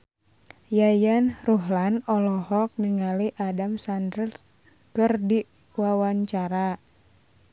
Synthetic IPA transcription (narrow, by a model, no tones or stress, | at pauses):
jajanruɦlanɔlɔhɔk̚niŋaliʔadamsandəls | kərdi | wawaɲt͡ʃaɾa